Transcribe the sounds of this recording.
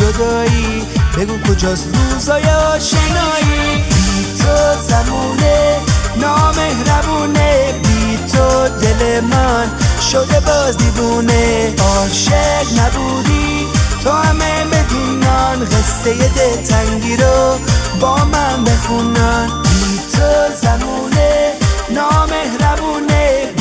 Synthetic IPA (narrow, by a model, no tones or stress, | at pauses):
d͡ʒod̪ɒːi | beɡuːkʰod͡ʒɔsɾuːzɔːjɔʃenɔːibit̪ʰozamuːnenɔːmehɾæbuːnebiːt̪ʰod̪elemanʃod̪ebɔːzd̪ibuːneɔːʃeknabuːd̪i | t̪ʰohamemed̪iːnanɣest̪ejed̪et̪ʰaŋɡiɾobɔːmanbexunanit̪ʰozamuːnenɔːmehɾabuːne